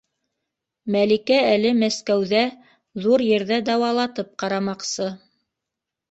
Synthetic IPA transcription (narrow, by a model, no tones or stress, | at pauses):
mælikæælɘmæskæwðæ | ðuɾjɘ̆ɾðæd̪ɑwɑlˠɑt̪ɤp̚qɑɾɑmɑqsɤ